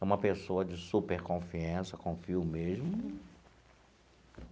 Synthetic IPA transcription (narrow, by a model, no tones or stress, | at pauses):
ũmɐpesoɐd͡ʒɪsupeɾkõfiɐ̃sɐkõfiʊmeʒmʊ